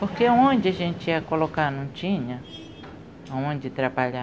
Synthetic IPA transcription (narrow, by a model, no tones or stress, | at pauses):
pohkeaõnd͡ʒɪaʒẽnt͡ʃɪakolokanũt͡ʃĩɲɐ̃ | aõnd͡ʒɪt̪ɾabaʎa